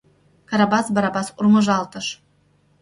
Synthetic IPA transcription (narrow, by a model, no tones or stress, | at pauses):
kɑɾɑbɑsbɑɾɑbɑsurmɤ̆ʒɑlˠt̪ɤ̆ʃ